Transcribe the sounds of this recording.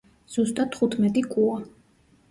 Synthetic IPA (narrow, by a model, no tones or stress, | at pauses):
z̥ust̪ʼad̪ʰχut̪ʰmɛt̪ʼikʼua